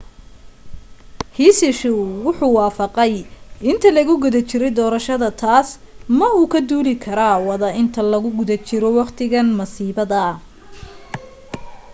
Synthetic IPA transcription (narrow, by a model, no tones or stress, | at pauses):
hiːsɪʃʊwʊħuːwɑːfɑqɛjɪnt̪ʰɐlɐɣʊɡʊðɐt͡ʃɪɾɛjd̪ɔːɾɐʃɐðɐt̪ʰaːs | mɐuːkʰɐd̪uːlɪkʰɐɾawɑðɐɪnt̪ʰɐlɐɣʊɡʊðɐt͡ʃɪɾɔwɑqt̪ʰɪɣɐnmɐsiːbɐðɐ